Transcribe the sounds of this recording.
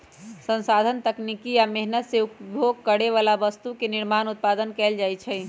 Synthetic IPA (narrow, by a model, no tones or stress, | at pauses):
sə̃nsad̪ʱənt̪əknikiameɦnət̪seupbjoɡkəɽeʋalabəst̪ukeniɾmanut̪̚pad̪ənkɛld͡ʒajt͡ʃʰɛ